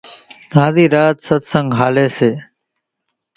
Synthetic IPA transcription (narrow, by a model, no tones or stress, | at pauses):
ɡãːziːɾaːt̪sət̪səŋɡɦaːleːseː